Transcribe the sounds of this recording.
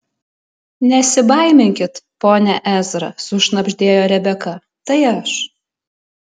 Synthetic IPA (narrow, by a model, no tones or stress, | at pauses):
nʲɛsʲɪbɐɪmʲɪŋʲkʲɪt̪poːnʲɛʔæzɾɐ̰sʊʃnɐbʲʒʲd̪ʲeːjoːɾʲɛbʲɛkɐ | t̪ɐɪɐʃ